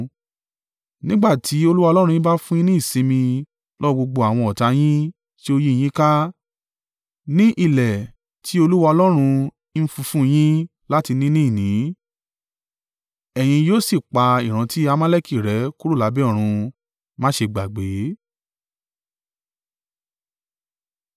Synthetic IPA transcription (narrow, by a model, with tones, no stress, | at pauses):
nĩ˦ɡ͡ba˦˨tʰi˨˦o˧lu˦wa˧lɔ˦ɾ̃ũ˧ĩ˦ba˦fũ˦ĩ˦nĩ˦˨sĩ˨˧mĩ˧ | lɔ˦˧ɡ͡bo˧ɡ͡bo˧a˨w̃ɔ̃˧ɔ˨ta˧j̃ĩ˦ | ti˦o˧ji˦˨j̃ĩ˦ka˦ | nĩ˦ʔi˦˨lɛ˨ | tʰi˨˦o˧lu˦wa˧ɔ˧lɔ˦ɾ̃ũ˧˦ | n̩˦fũ˧fũ˦j̃ĩ˦ | la˦ti˧nĩ˦nĩ˦˨nĩ˨˦ | ɛ˨j̃ĩ˧joː˦si˦˨k͡pa˧i˨ɾ̃ã˨˧ti˦a˧mã˦lɛ˦˨ki˦˨ɾɛ˨˦ku˦ɾu˦˨la˨˦bɛ˦ɔ˦˨ɾ̃ũ˧ | mã˦ʃe˧ɡ͡ba˨ɡ͡be˨˦